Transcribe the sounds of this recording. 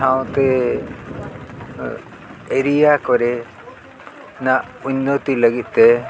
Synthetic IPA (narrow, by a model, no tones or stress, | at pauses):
aw̃t̪ɛ | eɾijakɔɾɛ | naʔ | uɲːɔt̪iləɡit̪̚ˀt̪ɛ